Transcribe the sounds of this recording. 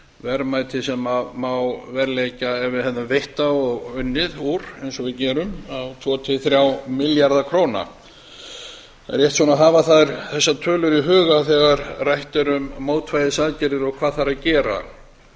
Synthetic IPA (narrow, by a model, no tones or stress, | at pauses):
vɛɾmaːjt̪ʰɪsɛmamawvɛɾleːjcaɛvɪðhɛððnavejht̪aɔɣʏnːɪðuɾejnsɔvɪðcɛːɾʏmawt̪ʰvɔːt̪ʰɪθɾjawmɪljaɾðakʰɾoːwna̰ | aɾjɛht̪sɔːnaɦaːvaθaðɪɾθɛsːat̪ʰœːlʏɾiɦœːɣaθɛɣaɾrajht̪ʏɾʏmːoːwt̪ʰvajðɪsaðcɛɾɪɾɔɣkʰv̥aːðθaɾacɛːɾa̰